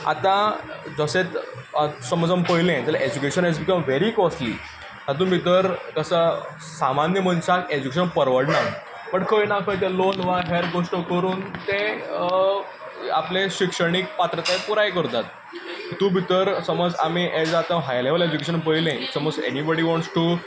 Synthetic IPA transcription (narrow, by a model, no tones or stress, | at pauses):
a̰t̪ãd͡zəset̪ | səmɔd͡zampəɦjlẽt̪əlaʔed͡ʑukeɕənɦɛd͡zbikəmʋeɾikɔslḭ | t̪at̪̬ũːbʱit̪əɾkəsə | samanjəm̤əɳsaked͡ʑukeɕənpəɾʋəɽna | pəɳkʰəinakʰət̪ẽlonʋaɦeɾɡoʂʈəkəɾuːnt̪e | a̰pleɕikʂəɽ̃ik̚pat̪ɾət̪ajpuɾajk̬əɾt̪at̪̚ | it̪uːbʱit̪əɾsəmɔd͡zamiʔɛd͡zat̪ə̃ɦajleʋəled͡ʑukeɕ̬ənp̬əilẽiʈsəmod͡zḛnibɔɽiʋɔ̃ɳʈsʈu